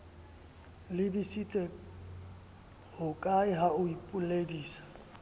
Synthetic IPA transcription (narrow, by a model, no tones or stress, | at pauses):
lɪbisit͡sʼɛ | hʊkʼaɪɦaʊipʼʊlediːsḁ